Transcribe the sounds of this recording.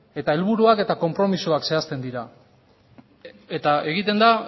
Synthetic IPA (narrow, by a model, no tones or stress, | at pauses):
e̞t̪ae̞lβuɾuake̞t̪ako̞mpɾo̞misuakse̞ast̪e̞nd̪iɾa | et̪ae̞ɣit̪e̞nd̪a